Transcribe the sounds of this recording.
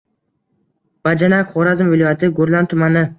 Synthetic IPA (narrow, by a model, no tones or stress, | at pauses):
b̥ad͡ʒanakʲχoɾazɪmvɪlojat̪ʰɪɡoɾlant̪ʰʊmanɪ